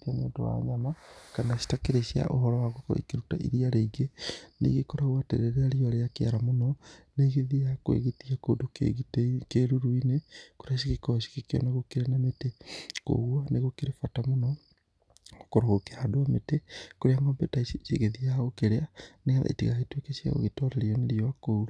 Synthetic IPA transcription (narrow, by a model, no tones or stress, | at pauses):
tanḛnto̰wa̰ɲamakanaʃi̥takeɾeʃia̰ʔo̰ɦɔɾɔwaɣokɔ̰ikeɾuta̰ʔḭɾiaɾeiɡenḛɡekɔɾaɣwatḛɾeɾeaɾiɔɾeakea̰ɾamonɔneɣeðiakwḛɣetiako̰ːdo | keɾuɾuinekoɾaɕ̬ikekɔɕi̥kekeɔ̰naɣokeɾeanameteko̰ɣwaneɣokeɾefatamonɔ | okoɾaɣokeadoametekoɾeaŋɡɔmbetaeɣeðiaɣokeɾeaneaða̰ḭtiɣahetwekeʃia̰ɣo̰ɣetɔɾeɾiɔneɾiɔakouɾo